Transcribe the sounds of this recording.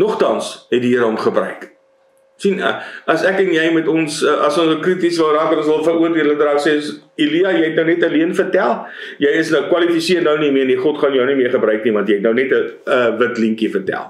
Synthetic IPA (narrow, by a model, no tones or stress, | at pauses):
nɔχtɐnsɦɛtdiɦəɾəɦɔmχəbɾœɥk | sinəɐsækɛnjɛjmɛtɔnsəʔɐsɔ̃nskritisvəlˠraːkɐtɔ̃nsvəlˠfəɾuərdiələdrɑːsesiliɐjɛjɦɛtnəwnɛtɐliənfərtælˠ | jɛjəsnəwkwɐlifisiərnəwnimiərniχɔtχɑnjəwnimiəχəbɾœɥknivɐ̃ntjɛɛtnəwnɛtəəvətliŋkifərtæ̰lˠ